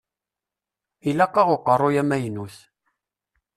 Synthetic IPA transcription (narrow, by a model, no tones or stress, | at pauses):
ilæqːɑʁʊqərˤːojæmæjnuθ